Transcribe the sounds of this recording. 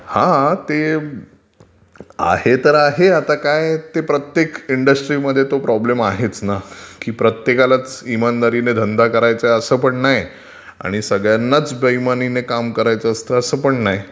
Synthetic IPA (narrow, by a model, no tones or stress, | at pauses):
hãt̪e | a̰het̪əɾaɦeat̪akajt̪epɾət̪jekiɳɖəsʈɾiməd̪ʱːjet̪opɾɔblemaɦet͡snakiːpɾət̪jekalat͡simand̪aɾined̪ʱənd̪akəɾajt͡səəsəpəɳnaj | a̰ɽ̃isəɡɭjanːat͡sbəjmaninekamkəɾajt͡səəst̪ʰəəsəpəɳnaj